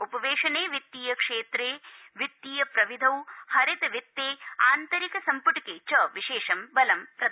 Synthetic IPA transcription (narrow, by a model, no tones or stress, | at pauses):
upɐʋeːʂɐneːʋit̪ːiːjɐkʂeːt̪ɾeː | ʋit̪ːiːjɐpɾɐʋid̪ʱɐwhɐɾit̪ɐʋit̪ːeːaːnt̪ɐɾikɐsɐmpuʈikeːt͡ʃɐʋiʃeːʂɐmbɐlɐmpɾɐd̪